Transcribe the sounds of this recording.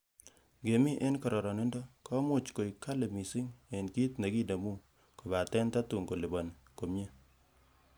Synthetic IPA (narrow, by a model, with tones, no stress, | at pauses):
ɡe˨mi˦ʔe˦nkɔ˨ɾɔ˨ɾɔ˨ni˦ndɔ˦kɔ˦mʊ˦˨t͡ʃko˨jka˦le˨mi˨si˦ŋe˨nki˦tne˨ki˦da˨mu˦ | ko˨ba˨tɛ˦nta˦tu˨ŋko˨li˨bɔ˨n˨ | ko˨mɲe˦